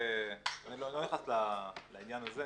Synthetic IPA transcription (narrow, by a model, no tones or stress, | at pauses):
anilolojaχaslalainjanaze